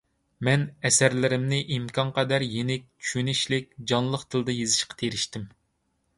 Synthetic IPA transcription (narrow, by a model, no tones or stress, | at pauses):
mɛnɛsæɾlɪɾɪmnɪʔimkʰʲɑnqʰɑd̪æɾjenɪk̚ʲt͡ʃʰy̥ʃynɪʃlɪk̚ʲd͡ʒɑnlˠəqt̪ʰɨlˠd̪ɨjezɪʃqʰɑ̥t̪ʰeɾɪʃt̪ɪm